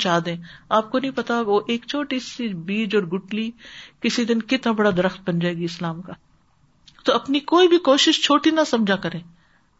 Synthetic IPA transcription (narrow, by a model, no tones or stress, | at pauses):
t͡ʃaːd̪ẽːaːp̚konɐɦĩpɐt̪aʋoʔeːkt͡ʃʰoːʈisibiːd͡ʒɔːɾɡʊʈlikɪsid̪ɪnkɪt̪nabɐɽad̪ɐɾəxt̪̚bɐnd͡ʒaːeːɡiɪslaːmkaː | t̪oɐpnikoːibʱikoːʃɪʃt͡ʃʰoːʈinɐsɐmd͡ʒʱakɐɾẽː